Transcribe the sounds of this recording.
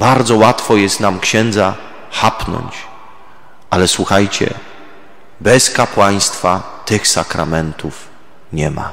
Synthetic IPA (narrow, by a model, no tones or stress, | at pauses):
baɾd̪zɔwat̪fɔjɛst̪namkɕɛnd̪za | xapnɔ̰ɲt͡ɕ | ʔalɛswuxajt͡ɕɛ̰ | bɛskapwaj̃st̪fa | t̪ɘxsakɾamɛnt̪uf | ɲɛma̰